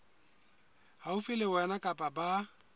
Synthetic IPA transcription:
haufɪlɪwɛnakʼapʼaba

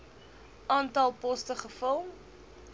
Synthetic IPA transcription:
ʔɑːntɐlˠpɔstəχəfəlˠm

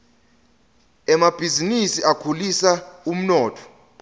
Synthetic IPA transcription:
ɛmab̥ʱizinisiakʰulisaum̩nɔːtʰɔ̥

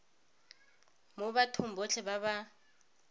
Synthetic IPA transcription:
mobatʰʊm̩bot͡ɬʰɛbaβa

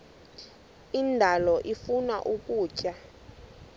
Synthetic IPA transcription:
indʱalɔʔifunaʔukʼuːcʼa

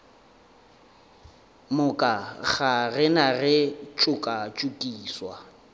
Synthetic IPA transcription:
mʊkʼak͡xʰarɪnarɪt͡ʃʼʊkʼat͡ʃʼukʼiːswa

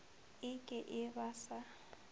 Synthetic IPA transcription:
ɪkʼɪʔɪbasa

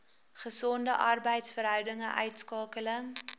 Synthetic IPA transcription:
χəsɔndəʔɐrbəjtsfərɦœwdəŋəʔœ̰ɥtskɑːkələŋ

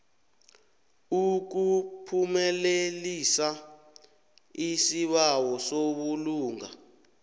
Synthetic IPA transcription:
uk̬upʰumɛlelisa | isiɓawɔsoɓuluːŋa

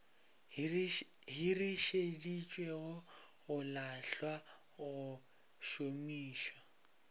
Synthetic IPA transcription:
ɦiriʃedit͡ʃʼweɣʊɣʊlaɬwa | ɣʊ | ʃomiːʃwa

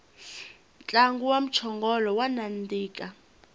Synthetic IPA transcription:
nt͡ɬʼaŋɡuwam̩t͡ʃʰɔŋɡɔlɔwanandiːkʼa

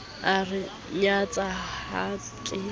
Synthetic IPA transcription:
arɪ | ɲat͡sʼaa | kʼɪ

